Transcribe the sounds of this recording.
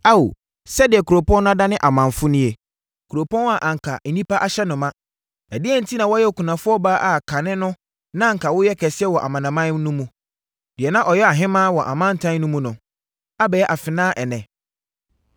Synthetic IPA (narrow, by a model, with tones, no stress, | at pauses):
a˦wo˨ | sɛ˦dɪ˨ɛ˨kʰu˨ɾo˨pɔ̃˦ñ˦ã˦da˦nɪ̃˦ʔa˨mã˨nfʊ˦nĩ˦e˨ | kʰu˨ɾo˨pʰɔ̃˦na˨ʔã˨ŋ˨kʰa˨n̩˨nĩ˦pa˦ʔa˨ɕɛ˦nʊ̃˨mã˦ | na˨dɪ˦ɛ˦n̩˦tʰi˦nã˨wɔ˦jɛ˦˨kʰu˨nã˨fʊ˦ɔ˦baː˦ʔa˨kʰa˨nɪ̃˦nʊ̃˦ | nã˦ŋ̩˨kʰa˨wʊ˦jɛ˦kʰɛ˨sɪ˦ɛ˦wɔ˨ʔa˨mã˨nã˨mã˦n˦nũ˦mũ˨ | d̥ɪ˨ɛ˨nã˦ʔɔ˨jɛ˦a˨ɦɪ̃˦mãː˦wɔ˨ʔa̰˨mã˦n˨tʰã˦n˦nʊ̃˦mũ˦nʊ̃˨ | a˦bɛ˨jɛ˦ʔa˨fɪ˨nãː˦ʔɛ˨nɛ̃˨